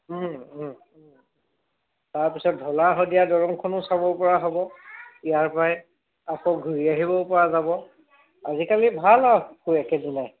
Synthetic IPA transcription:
taɹpisɔt̚dʱɔlaɦɔdijadɔɹɔŋkʰɔnʊsabɔpɔɹaɦɔbɔijaɹpajɛ | akɔɡʱuɹiaɦibɔpɔɹazabɔ | azikalibʱalakuɛkɛdinaj

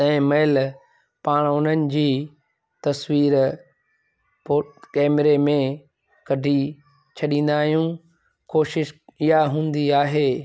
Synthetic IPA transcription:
ɛ̃ːmɐɪl | paːɽ̃ʊn̤ənɪ̆d͡ʑiː | t̪ɐswiːɾ | pokɛːmɾemẽ | kɐɖʱi | t͡ɕʰɐɗĩːn̆d̪aːɦijũ | koːʃɪʃɪɦaɦũːn̆d̪iaːɦeː

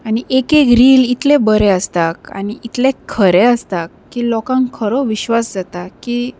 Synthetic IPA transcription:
aniʔekekɾiːlit̪lebəɾɛəst̪aka̰niit̪lekʰəɾɛəst̪akːiːlɔkãŋkʰəɾɔʋiɕʋasd͡zat̪akiː

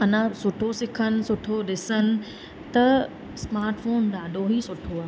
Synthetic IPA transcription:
ɐnə̃sʊʈʰosɪkʰənɪ̆sʊʈʰoɗɪsənɪ̆ | t̪ɐ | smaːɾʈfoːnɗaːɗʱoɦisʊʈʰoaː

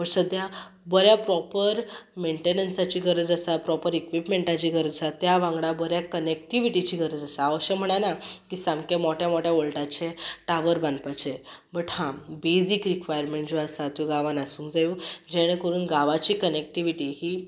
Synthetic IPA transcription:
bəɾsəd̪jabəɾjapɾɔpəɾmeɳʈenənsat͡ɕiːɡʱəɾəd͡zəsapɾɔpəɾikʋipmẽɳʈat͡ɕiɡʱəɾəd͡zəsat̪ːjaʋãŋɡɽabəɾjakənek̚ʈiʋiʈit͡ɕiːɡʱəɾəd͡zasaːʋəɕəm̤əɽ̃anakisãmkemɔʈjamɔʈjaʋoɭʈat͡ɕẽʈaʋəɾbãnd̪pat͡ɕebəʈhãbed͡ziːkɾikʋajəɾmẽɳʈd͡zoasat̪uɡaʋãnasũːŋkd͡zajud͡ʑɛɽ̃ẽkəɾuːnɡaʋat͡ɕiːkənek̚ʈiʋiʈiːɦi

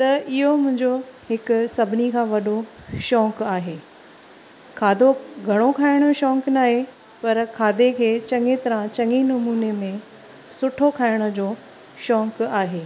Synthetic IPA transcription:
t̪ɐɪɦomʊ̃ɦɪ̃ɲd͡ʑoɦɪkʊ̆sɐbʱɪnikʰãːʋɐɗo | ʃɔːkaːɦeː | kʰaːd̪ʱoɡʱɐɽ̃okʰaːɪɽ̃oʃɔːknaːɦe | pɐɾkʰaːd̪ekʰeːt͡ɕɐ̃ŋet̪ɐɾãt͡ɕɐŋinɐmuːnemẽ | sʊʈʰokʰaːɪɽ̃ʊ̆d͡ʑoː | ʃɔːkaːɦeː

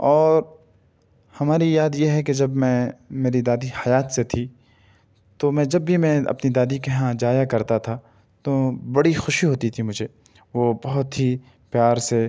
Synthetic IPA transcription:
ɔːɾ | hɐmaːɾijaːd̪jeɦɛked͡ʒɐbmɛ̃meːɾid̪aːd̪ihɐjaːt̪set̪ʰi | t̪omɛ̃ːd͡ʒɐbːimɛ̃ɐ̰pnid̪aːd̪ikeɦãd͡ʒaːjakɐɾt̪at̪ʰa | t̪obɐɽixʊʃiɦoːt̪it̪ʰimʊd͡ʒʱeː | ʋobɐɦʊt̪ɦi | pjaːɾse

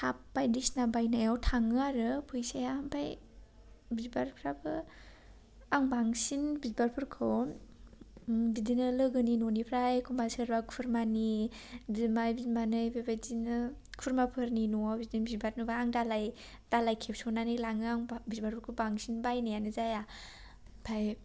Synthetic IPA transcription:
hʰapːajdisnabajnajawtʰaŋɯaɾɯpʰɯjsajaampʰaj | bizbaɾ̚pʰɾabɯ | aŋbaŋsinbizbaɾpʰuɾkʰɯw | bidinɯlɯɡɯninonipʰɾajkʰumbasɯɾbakʰuɾmanibimajbimanɯjbebadinɯkʰuɾmapʰɯɾninobidinbizbat̚nɯbaːŋdalaj | d̥alajkʰep̚sonanilaŋɯaŋbizbaɾpʰuɾkʰɯbaŋsinbajnajanɯzaja | pʰaj

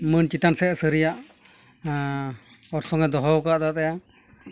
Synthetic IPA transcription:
mənt͡ʃit̪ansɛsəɾijaʔ | ɔɾsɔŋɛd̪ɔɦɔwkaʔd̪at̪ɛja

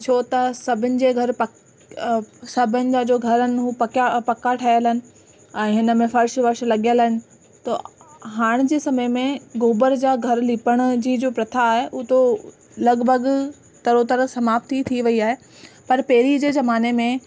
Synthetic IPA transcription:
t͡ɕʰoːt̪ɐsɐbʱɪnɪ̆d͡ʑeːɡʱɐɾpɐ | sɐbʱɪnɪ̆d͡ʑaːd͡ʑoːɡʱɐɾənɪ̆ɦupɐkapɐkaʈʰajəlɦɪnɪ̆ | ɛ̃ːɦɪnə̆mẽfɐɾʃʋɐɾʃlɐɠijəlːɦɪnɪ̆ | t̪o̰ɦaːɽ̃d͡ʑeːsɐməjmẽɡoːbəɾd͡ʑaːɡʱɐɾlipəɽ̃̆d͡ʑiːd͡ʑoːpɾɐt̪ʰaːɦeʔʊt̪o | lɐɡbʱɐɡ | t̪ɐɾot̪ɐɾəsɐmaːpt̪it̪ʰiʋɐiaːɦe | pɐɾpeɦɪɾid͡ʑeːzɐmaːnemẽ

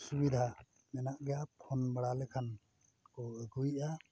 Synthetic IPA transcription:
subid̪ʱa | nɛnaʔɡɛjapʰɔnbəɽalɛkʰan | kɔəɡujʔa

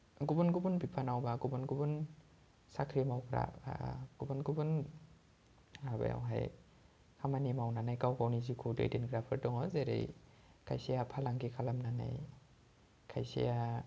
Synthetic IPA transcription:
ɡubɔnɡubunbipʰanawbaɡubɔnɡubun | sakʰɾimawkʰɾa̰pɡ̥ubɔnɡubun | aba̰ja̰wɦa̰j | kʰamanimawnanajkawkawnizikʰudḛjdenɡɾapʰaɾdɔŋɔzeɾḛj | kʰa̰jsijapʰalaŋɡikʰalamnana̰j | kʰajsḭja

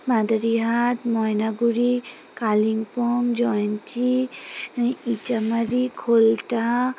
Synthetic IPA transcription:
mad̪aɾiɦatmɔjnaɡuɾi | kaliŋpɔŋd͡ʒɔjnt͡ʃi | it͡ʃamaɾikʰolta

